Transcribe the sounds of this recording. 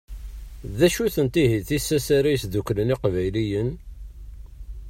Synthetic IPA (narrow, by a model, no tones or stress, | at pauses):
ðæʃuθənt̪iɦiθisːæsæɾijsðukːləniqvæjlijən